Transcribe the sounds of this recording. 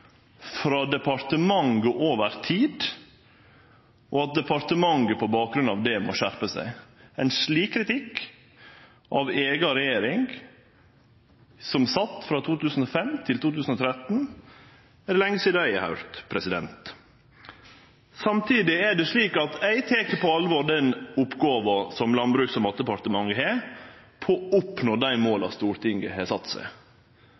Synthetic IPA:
fɾɑːd̪ɛpɑɾt̪əmɑŋɡəʔoːʋəɾt̪ʰiːd̪ | ʔoːɑt̪̚d̪ɛpɑɾt̪əmɑŋɡəpʰɔbɑːk̚ɡɾʉnɑ̰ʋd̪ɛmo̰ʃæɾpəsæ̰ɪæɪnʂɭiːkkʰːɾɪt̪ɪk | ʔɑʋeːɡɑɾɛjeːɾɪŋ | sɔmsɑt̪ːfɾɑt̪ʰuːt̪ʉːsn̩ɔfɛmt̪ʰɪlt̪uːt̪ʉːsn̩ɔːt̪ʰɾɛt̪n | ɛɖ̪ɛlɛŋːəsiːd̪ɑæɪɛhɑ̰ʉɾt̪pʰɾɛsɪd̪ɛ̰nt̪ | sɑmt̪ʰiːd̪ɪæɖɛʂɭiːkɑt̪æɪt̪ʰeːkəpɔɑlʋɔɾɖ̪ɛnʊpɡɑːʋɑsɔmlɑnbɾʉːksɔmɑt̪ːəpɑɾt̪əmɑŋəheː | pʰoːʊpnoːd̪æɪmoːlɑ̰st̪uːɾt̪ʰɪŋɡəɦesɑt̪ːsæ̰ɪ

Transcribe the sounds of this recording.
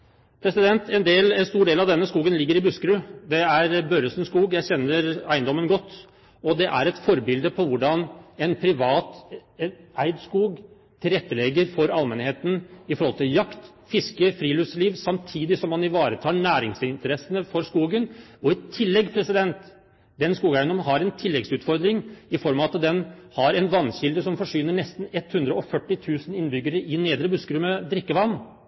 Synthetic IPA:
pʰɾɛsɪd̪ɛnt̪ʰɛnd̪eːlɛnst̪uːɖeːlɑʋd̪ɛnːəskuːɡənlɪɡːəɾɪbʉskɾʉd̪ɛæɾbøɾəsənskuːɡjæɪçɛnːəɾæɪənd̪ɔmːənɡɔt̪ː | ɔd̪ɛʔæ̰ɾɛt̪fɔɾbɪld̪əpʰɔʋʊɖɑnɛnpʰɾɪʋɑːt̪ | ʔæɪd̪skuːɡ | t̪ʰɪlɾɛt̪ːəlɛɡəɾfɔɾɑlmɛnheːt̪n̩ɪfɔɾhɔlt̪ʰɪljɑkt̪ | fɪskəfɾiːlʉsliːʋsɑmt̪ʰiːd̪ɪsɔmːɑnɪʋɑːɾət̪ʰɑːɳæːɾɪŋsɪnt̪əɾɛsːənəfɔɾskuːɡənɔɪt̪ʰːɪlːɛɡpʰɾɛsɪd̪ɛnt̪ | d̪ɛnskuːɡæɪənɔmɦɑɾɛnt̪ʰɪlːɛɡsʉːt̪fɔɾd̪ɾɪŋɪfɔɾmɑɑt̪d̪ɛnhɑɾɛnʋɑnːɕɪld̪əsɔmfɔʂʏnəɳɛst̪n̩ɛt̪ːhʉnd̪ɾəɔfœʈːɪt̪ʰʉːsənɪnbʏɡːəɾəʔɪneːd̪ɾəbʉskɾʉməd̪ɾɪkːəʋɑnː

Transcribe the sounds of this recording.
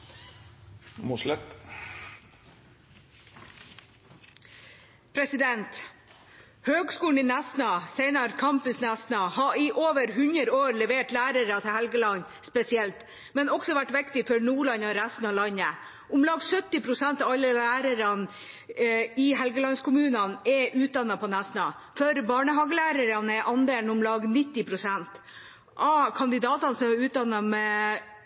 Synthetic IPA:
moʂlɛt̪ | pʰɾɛsɪd̪ɛnt̪ | høːɡskuːln̩inæsnɑseɪnɑɾkʰɑmpʉnsnæsnɑhɑiʔoːʋəɾhʉnəɾoːɾlɛʋeːʈlæːɾəɾət̪ʰɪlhɛlɡəlɑn | spɛsɪɛlt̪ | mɛnɔksɔʋæʈːʋɪkt̪ɪfɔɾnuːɭɑnɑɾæst̪n̩ɑlɑɲːə | ʊmlɑːɡsœt̪ːɪpʰɾʊsɛnt̪ɑʋɑlːəlæːɾəɾɑn | ɪɦɛlɡəlɑnskʰʊmʉːnɑnɛʔʉːt̪̚d̪ɑnːɑpʰɔnæsnɑ | fœɾbɑːɳəɦɑːɡəlæːɾəɾɑnɛʔɑnd̪eːlnʊmlɑːɡnɪt̪ːɪpʰɾʊsɛnt̪ | ʔɑkʰɑnd̪ɪd̪ɑːt̪ɑnsɔmɛʉːt̪̚d̪ɑnːɑmɛ

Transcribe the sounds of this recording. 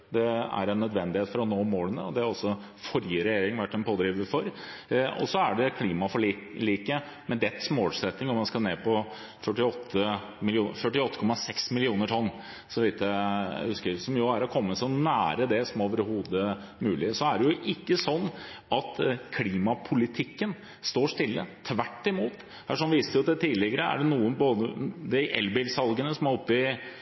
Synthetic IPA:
d̪ɛæ̰ɾɛnːœd̪ʋɛnd̪ɪheːt̪fɔɾɔnoːmoːlənə̰ɔd̪ɛhɑɾɔsɔ | fɔɾjəɾɛjeːɾɪŋʋæʈːɛnpʰoːd̪ɾiːʋəɾfɔɾɔ̰sɔæɖɛkʰliːmɑfɔɭɭiːkə | mɛnd̪ɛt̪ːsmoːlsɛt̪nɪŋɔmːɑnskɑneːpɔ | fœʈːɪɔt̪ʰːə | mɪlɪuːfœʈːɪɔt̪ːə̥kʰɔmːɑsɛksmɪlɪuːnəʈʰɔnː | sɔʋɪːt̪ːəhʉskəɾsɔmjʊæɾɔkʰɔmːəsɔnæːɾəd̪ɛsɔmoːʋəɾɦuːd̪ə | mʉːlɪsɔæɖɛjʊʔɪkːəsɔnː | ɑt̪kʰliːmɑpʰʊlɪt̪ʰɪkːən | st̪oːʂt̪ɪlːə̰t̪ʰʋæʈːɪmuːt̪ | hæʂɔnʋiːst̪əjʊd̪ɛt̪ʰiːlɪɡəɾəæ̰ɖɛnuːənboːd̪əd̪ɛʔɛ̰lbɪlsɑlɡənəsɔmæɾɔpːɪ

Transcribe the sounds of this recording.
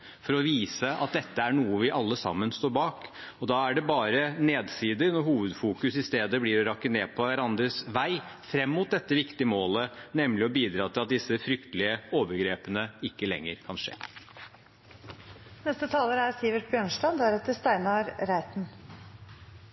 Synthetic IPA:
fɔɾɔʋiːsəɑ̰t̪̚d̪ɛt̪ːəæɳuːəʋɪʔɑlːəsɑ̰mːənst̪oːɾbɑːk | ɔd̪ɑæɖɛbɑːɾəneːd̪siːd̪ənɔɦuːʋəd̪fuːkʉsɪst̪eːd̪əbliːɾɔɾɑkːəneːpʰɔʋæɾɑnd̪ɾəsʋæɪfɾɛmːʊt̪̚d̪ɛt̪ːəʋɪkt̪ɪəmoːlənɛmlɪɔbiːd̪ɾɑːt̪ʰɪlɑt̪̚d̪ɪsːəfɾʏkt̪əlɪəoːʋəɾɡɾeːpənəɪkːəlɛ̰ŋːəɾkʰɑnʂḛː | nɛst̪ət̪ʰɑːləɾæɾsiːʋəʈbjøːɳʂʈɑnd̪æɾɛt̪ːəɾst̪æɪnɑɾɾæɪt̪n̩

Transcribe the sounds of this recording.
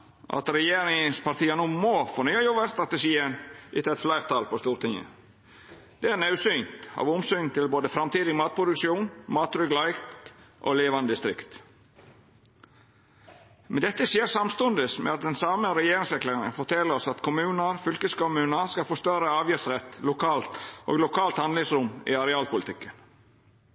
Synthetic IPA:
ʔɑ̰t̪ɾɛjeːɾɪŋspʰɑɾt̪iːənuːmoːfoːnyːɑjɔʋəɾst̪ɾɑt̪əʂiːənʔɪt̪ʰɑɛt̪flæɪʁt̪ʰɑlpʰɔst̪uːɾt̪ʰɪŋə̰ | d̪̥ɛæɾnɑʉsynt̪ɑ̰ːʋʊmsynt̪ʰɪlboːd̪əfɾɑmt̪iːd̪ɪmɑːt̪̚pʰɾʊd̪ʉkʂuːnmɑːt̪ɾʏɡlɑɪkt̪ʔo̰leːʋɑnəd̪ɪst̪ɾɪ̰kt̪ | mɛnd̪ɛt̪ːəsjeːɾsɑmst̪ɔnd̪əsmʔɛ̰ɑt̪̚d̪ɛnsɑːməɾɛjeːɾɪŋsɛklæɾŋə̰nfɔt̪ʰɛləɾɔsɑt̪kʰʊmʉːnəɾfʏlkəskʊmʉːnəɾskɑfɔːst̪œɾəɑːʋjəsɾɛt̪lʊkʰɑːlt̪ʔo̰ːɡlʊkʰɑːlt̪hɑnd̪lɪŋsɾʊmɪ̰ɑɾɛɑːlpʊlɪt̪ɪkːən

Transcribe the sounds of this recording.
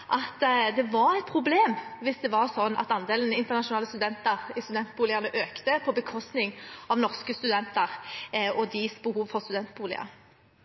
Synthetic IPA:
ʔɑt̪d̪ɛʋɑɾæt̪̚pʰʁʊbleːmʋɪsd̪ɛʋɑʁsɔnːɑ̰t̪ɑnd̪eːlən̩ɪnt̪əʁnɑʃʊnɑːləst̪ʉd̪ɛnt̪əʁɪst̪ʉd̪ɛnt̪̚buːlɪɑʁnəʔøːkt̪əpʰɔbəkʰɔst̪nɪŋɑʋnɔʁskəst̪ʉd̪ɛnt̪əʁɔd̪ɪsbəhuːʋfɔʁst̪ʉd̪ɛnt̪̚buːlɪ̰ɑ̰

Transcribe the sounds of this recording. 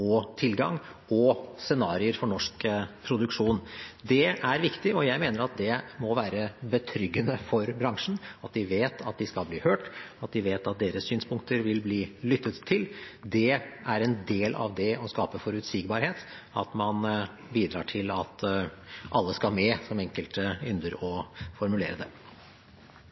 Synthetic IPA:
ɔt̪ʰɪlɡɑ̰ŋɔsɛnɑːɾɪəɾfɔɳɔʂkpʰɾʊd̪ʉkʂuːnd̪ɛʔæɾʋɪkt̪ɪɔjæɪmeːnəɾɑt̪̚d̪ɛmɔʋæːɾəbət̪ʰɾʏɡːənəfɔɾbɾɑŋʂɳ̩ɑt̪̚d̪ɪʋeːt̪ʰɑt̪̚d̪ɪskɑlbliːhøːʈɑt̪̚d̪ɪʋeːt̪ɑt̪̚d̪eːɾəssyːnspʰʊŋk̚t̪əɾʋɪlbliːlʏt̪ːət̪ʰːɪld̪ɛʔæɾɛnd̪eːlʔɑ̰ʋd̪ɛɔskɑːpəfɔɾʉt̪sɪːɡbɑɾheːt̪ | ɑt̪mɑn | biːd̪ɾɑ̰ːʈʰɪlɑt̪ | ʔɑlːəskɑmɛsɔmɛŋkəlt̪əʏnd̪əɾɔfɔɾmʉlḛːɾəd̪ɛ̰

